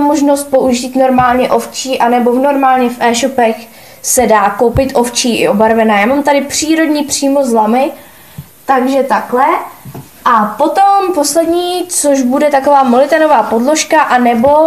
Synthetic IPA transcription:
moʒno̞st̪̚po̞ʔuʒiːt̪no̞ɾmaːlɲɛʔo̞ft͡ʃiːʔanɛbo̞no̞ɾmaːlɲɛfʔɛːʃo̞pɛx | sɛdaːkowpɪt̪ʔo̞ft͡ʃiːʔɪ̰ʔobaɾvɛnaːjaːmamt̪adɪpr̝̥iːɾo̞dɲiːpr̝̥iːmozlamɪ | t̪aɡʒɛt̪aklɛ | ʔapo̞t̪o̞mpo̞slɛdɲiːt͡soʒbudɛt̪akovaːmolɪt̪ɛnovaːpo̞dlo̞ʃkaʔanɛbo̞

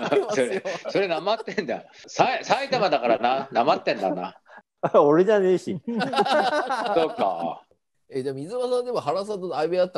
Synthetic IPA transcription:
soɾeso̞ɾe̞namat̪ːẽnd̪asaisait̪amad̪akaɾananamat̪ːẽ̞nd̪a̰na | oɾe̞d͡ʑane̞ːɕi | soːka̰ | ed̪emoizɨmasãnd̪emoɦaɾas̬at̪oaibeat̪ːa

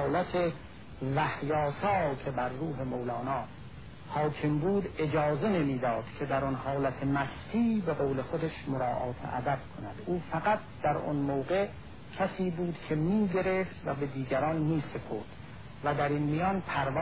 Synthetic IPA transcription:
læt̪ʰe | væhjɒːsɒːkʰebæɾːuːɦe̞mowlɒːnɒː | hɒːkʰembuːd̪e̞d͡ʒɒːze̞ne̞miːd̪ɒːd̪̥cʰe̞d̪æɾɔnhɒːlæt̪ʰemæst̪ʰiːbe̞ɣoːle̞xod̪eʃmoɾɑːʔɒ̰ːt̪ʰḛʔæ̰d̪æb̥̚kʰonæd̪̥uːfæɣæt̪̚d̪̥æɾɔ̰nmoːɣe | cʲʰæsiːbuːd̪kʲʰe̞miːɡe̞ɾeft̪væbe̞d̪iːɡæɾɒːnmiːsepʰoɾd̪̥ | væd̪æɾinmijɒːnpʰæɾv

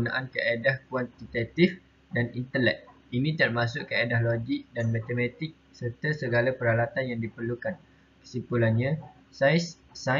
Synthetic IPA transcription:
una̰ʔankəʔedahkwant̪it̪at̪if | danint̪əlɛ̰k̚ | inĩt̪ərmasʊʔkəedahloɡik̚danmãt̪əmãt̪ɪk̚sərt̪asəɡalapəɾalat̪anjaŋdipərlukan | kə̥sipulanɲã | sajsː | a

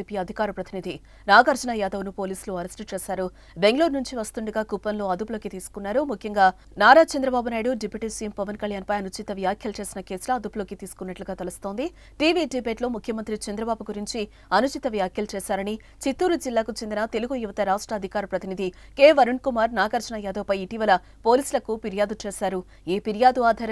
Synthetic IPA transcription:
ipijɐd̪ʱikaːɾɐpɾɐt̪inid̪ʱi | naːɡɐɾd͡ʒunajaːd̪ɐʋnupo̞ːliːsluɐɾesʈut͡ʃe̞ːʃaːɾu | be̞ŋɡloːɾnuɲt͡ʃiʋɐst̪uɳɖuɡaːkupːɐnlo̞ːɐd̪uplo̞ːkit̪iːsu̥kunːaːɾumukʰjɐŋɡaː | naːɾaːt͡ʃɐnd̪ɾɐbaːbunaːjɽuɖipjuʈisiːmpɐʋɐnkɐljaːnpɐjɐnut͡ʃit̪ɐʋjaːkʰjɐlt͡ʃe̞ːsinɐke̞ːslɐɐd̪upuloːkit̪iːsu̥kunːɐʈluɡaːt̪elust̪o̞ːnd̪i | ʈiːʋiɖibe̞ːʈlo̞ːmukʰjɐmɐnt̪ɾit͡ʃɐnd̪ɾɐbaːbuɡuɾiɲt͡ʃi | ɐnut͡ʃit̪ɐʋjaːkʰjɐlt͡ʃeːʃaːɾɐni | t͡ʃit̪ːuːɾud͡ʒilːaːkut͡ʃend̪inɐt̪e̞luɡujuʋɐt̪ɐɾaːʂʈɾɐːd̪ʱikaːɾɐpɾɐt̪inid̪ʱi | keːʋɐɾuɳkumaːɾnaːkɐɾt͡ʃɐɳɐjɛːd̪ɐːpɐjiʈiːʋɐlɐ | po̞ːliːsulɐkupiɾijaːd̪ut͡ʃe̞ːʃaːɾu | iːpiɾjaːd̪uaːd̪ʱɐɾɐ

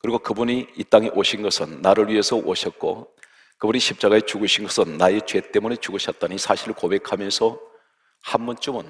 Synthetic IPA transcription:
kɯɾiɡokɯbuniit͈aŋeʔoɕʰinɡʌsʰɯnːaɾɯɭɥiɦe̞sʰʌʔoɕʰʌt̚k͈o̰ | kɯbuniɕʰip̚t͡ɕ͈aɣaet͡ɕuɡɯɕʰinɡʌsʰɯnːae̞t͡ɕwe̞t͈e̞mune̞t͡ɕuɡɯɕʰʌt̚t͈anisʰaɕʰiɾɯɭkobe̞kʰamjʌnsʰʌ | hanbʌnt͡ɕ͈omɯn

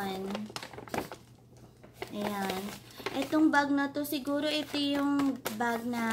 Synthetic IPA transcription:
n | ʔɐjan | ʔɛt̪oŋbaɡ̚nɐt̪osɪɡuːɾo̞ʔɪt̪ojʊŋbaɡ̚nɐ

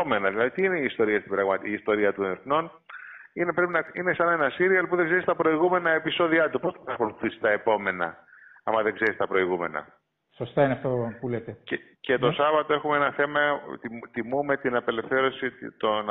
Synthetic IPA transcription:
ome̞nɐðilɐðit̪iineiːst̪o̞ɾiɐst̪ibɾɐɣmɐt̪iiːst̪o̞ɾiɐt̪uneɾθno̞n | inepɾe̞pinɐinesɐnɐe̞nɐsiɾioɐlpuðeɡzeɾist̪ɐpɾo̞iɣume̞nɐe̞piso̞ðiɐt̪upo̞snɐpɐxo̞luθisi̥st̪ɐe̞po̞me̞nɐ̰ | ɐmɐðe̞ɡze̞ɾist̪ɐpɾo̞iɣume̞̰nɐ̰ | sost̪ɐineɐft̪opulet̪ecece̞t̪o̞sɐvɐt̪o̞e̞xumeenɐθe̞mɐt̪imume̞t̪inɐpe̞le̞fθe̞ɾo̞sit̪on

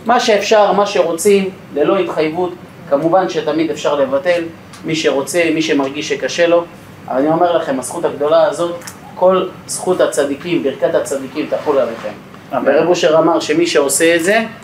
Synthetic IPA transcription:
maʃe̞ːfʃaʁmaʃe̞ʁo̞t͡sim | le̞lo̞it̪χajvut̪ | kamuvanʃe̞t̪amid̪efʃaʁle̞vate̞l | miʃe̞ʁo̞t͡se̞miʃe̞maʁɡiʃekaʃe̞lo̞ | a̰vanio̞me̞ʁlaχe̞masχut̪haɡd̪o̞laːzo̞t̪ | ko̞l | sχut̪hat͡sad̪ikimbiʁkat̪hat͡sad̪ikimt̪aχulaleχe̞̰m | beʁebuʃeʁamaʁʃe̞miʃe̞o̞se̞ːdze̞

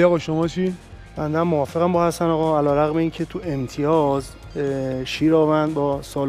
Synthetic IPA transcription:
ɒɣɒʃomɒːt͡ʃʰi | b̥ænd̪æmmːoɒːfeɣæmbɔːhæst̪ænɒːɣɒælɒːɾæɣmeiːncʰet̪ʰuʔemt̪ʰijɒːz | ʃiːɾɒːvænd̪bɒːsɒːl

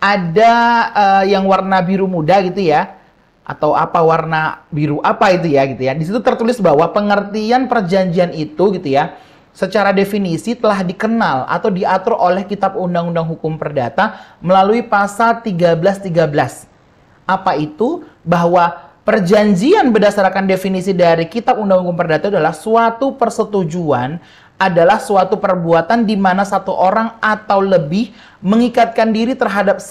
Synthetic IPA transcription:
ʔadaəjaŋwarnabiɾumudaɡit̪uja | ʔa̰t̪awa̰pawarnabiɾuʔapait̪̬ujaɡit̪ujadis̬it̪ut̪ərt̪ulɪsbaɦwapəŋərt̪ianpərd͡ʒaɲd͡ʒianit̪uɡit̪uja | sət͡ʃaɾadefinisit̪əlaɦdikənala̰t̪awdiat̪ʊrʔolɛhkit̪ap̚undaŋundaŋɦukʊmpərdat̪aməlaluipasalt̪iɡabəlast̪iɡabəlas | ʔapait̪ubaɦwapərd͡ʒaɲd͡ʒianbədasaɾkandefinisidaɾikit̪ap̚undaŋhukʊmpərdat̪aːdalahsuat̪upərsət̪ud͡ʒuan | adalahsuat̪upərbuat̪andimanasat̪uʔoɾaŋat̪awləbɪh | məŋikat̪̚kandiɾit̪ərɦadap̚

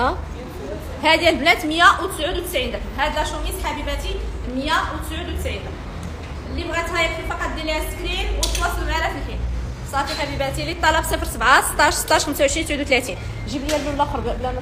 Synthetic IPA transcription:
æ | hæd̪jælblæt̪məjæwt̪ə̥sʕud̪wt̪əsʕind̪əkhæd̪əlæʃumit̪ħæbibæt̪iməjæwt̪ə̥sʕud̪wt̪əsʕind̪ək | əlːibɣæt̪hæjəfifɑqɑt̪̚d̪ilhæt̪ə̥kɾinwət̪wɑsˤːəlmaɾæt̪əlħin | sˤɑt̪iħæbibæt̪ilit̪ˤːɑlɑbsəfəɾsəbʕasə̥t̪ˤːɑʃsə̥t̪ːˤɑʃxəmsawʕəʃɾint̪sʕud̪wt̪læt̪in | ʒibljælːulːæxɾblæn

